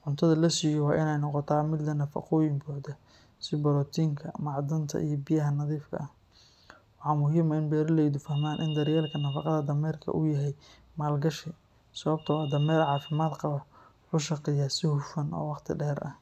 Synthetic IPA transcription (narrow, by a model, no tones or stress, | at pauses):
ʕʊnt̪ʰɐðɐlɐsiːjɔwɑːʔɪnɛjnɔqɔt̪ʰaːmɪd̪lɐnɐfɑ̰qɔːjɪmbɔːʕd̪ɐ | sɪbɐɾɔːt̪ʰiːŋkʰɐmɑʕd̪ɐnt̪ʰɐ̰ʔijɞbɪjɐɦɐnɐðiːfkʰɐ̰ʔɐh | wɑħɑːmʊɦiːmɐɪnbɛːɾɪlɛjd̪ʊfɐhmaːnʔɪnd̪ɐɾjɛːlkʰɐnɐfɑqɑðɐd̪ɐmɛːrkʰɐ̰ʔʊjɐɦɛj | maːlɡɐʃɪ | sɐβɐb̚t̪ʰɐwɑːd̪ɐmɛːrʕɑːfɪmaːd̪qɑβɐ | ħʊʃɑqɪjɐasɪhʊfɐnɔ̰ːwɑqt̪ʰɪ̰ɖɛːɾʔɐ̰